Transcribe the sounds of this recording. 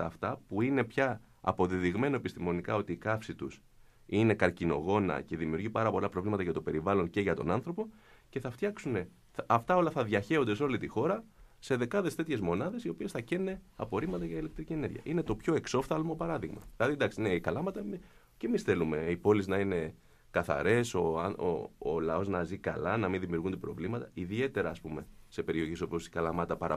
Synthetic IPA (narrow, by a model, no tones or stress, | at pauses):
ɐːft̪ɐpuine̞pçɐ | ɐ̰po̞ðiðiɣme̞no̞e̞pist̪imo̞nikɐo̞t̪iːkɐfsit̪us | ine̞kɐɾcino̞̰ɣo̞nɐ̰ce̞ðimiuɾʝipɐɾɐpo̞lɐpɾo̞vlimɐt̪ɐʝɐt̪o̞pe̞ɾivɐlo̞ŋce̞ʝɐt̪o̞̰nɐnθɾo̞po̞ | ce̞θɐft̪çɐksune̞ | ɐft̪ɐo̞lɐfθɐðʝɐçe̞od̪e̞so̞lit̪ixo̞ɾɐse̞ðe̞kɐðe̞st̪e̞t̪çe̞zmo̞nɐðe̞sio̞pie̞sθɐcenneɐ̰po̞ɾimɐt̪ɐʝɐile̞k̚t̪ɾicie̞ne̞ɾʝɐ̰ʔinet̪o̞pço̞e̞kso̞fθɐlmo̞pɐɾɐðiɣmɐ̰ðilɐðid̪ɐksiineikɐlɐmɐt̪ɐ | ce̞misθe̞lume̞ipo̞liznɐine̞ | kɐθɐ̰ɾe̞so̞ɐo̰ːlɐo̞znɐzikɐ̰lɐnɐminðimiuɾɣund̪epɾo̞̰vlimɐt̪ɐiðie̞t̪e̞ɾɐːspume̞se̞pe̞ɾio̞çeso̞piosi̥kɐlɐmɐt̪ɐpɐɾɐ